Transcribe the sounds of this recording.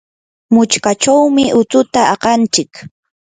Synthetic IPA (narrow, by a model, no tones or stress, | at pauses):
mʊt͡ʃkat͡ʃawmɪʔʊt͡sʊt̪aɑqɑnt͡ʃɪk